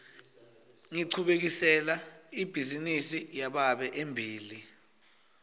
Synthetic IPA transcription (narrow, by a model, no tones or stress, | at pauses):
ŋiǀʰuɓek̬isɛlaib̥ʱizinisijaɓaɓɛʔembʱiːli